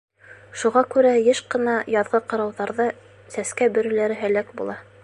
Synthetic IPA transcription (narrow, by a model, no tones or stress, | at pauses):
ʃuʁɑkʉɾæjɘʃqɤ̆nɑjɑðʁɤqɤ̆ɾɑwðɑɾðɑ | sæskæbɵ̆ɾɵ̆læɾɘɦælækbṵlˠɑ